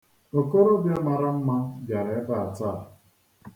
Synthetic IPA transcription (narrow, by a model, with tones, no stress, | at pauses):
o˨ko˦ɾo˦bja˦ma˨ɾa˦m̩˦ma˦bja˨ɾe˨e˦ba˦a˨ta˦˨